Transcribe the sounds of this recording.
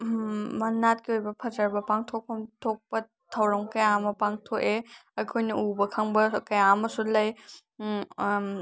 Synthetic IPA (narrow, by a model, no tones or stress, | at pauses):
mɐnat̚kiojbɐpʰɐzɐɾbɐpaŋtʰɔk̚pʰɐmtʰok̚pɐ | tʰɐwɾɔŋkɐjamɐpaŋtʰoʔeɐjkʰojniubɐkʰaŋbɐkɐjamɐsulɐj